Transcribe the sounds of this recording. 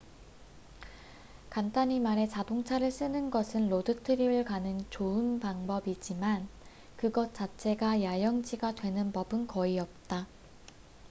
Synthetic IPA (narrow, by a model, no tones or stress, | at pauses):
kantʰaɲimaɾe̞t͡ɕadoŋt͡ɕʰaɾɯɭs͈ɯnɯnɡʌsʰɯnlodɯtʰɯɾiɾɯɭkanɯnt͡ɕoɯnpaŋbʌbid͡ʑiman | kɯɡʌt̚t͡ɕ͈at͡ɕʰe̞ɡajajʌŋd͡ʑiɡadwe̞nɯnpʌbɯnkʌiʌp̚t͈a